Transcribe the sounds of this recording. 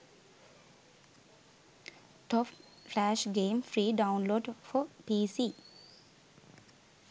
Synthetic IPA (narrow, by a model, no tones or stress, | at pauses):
ʈʰɔp | flæʃɡẽːmfɾiːɖãʊnloːɖfɔpiːsiː